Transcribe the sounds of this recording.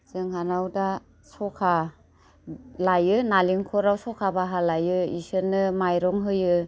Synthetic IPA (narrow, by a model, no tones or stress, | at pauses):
zɯŋɦanawda | sɔkʰa | lajɯnaliŋkʰɔɾawsɔkʰabaɦalajɯisɯnːɯmajɾɔŋɦɯjɯ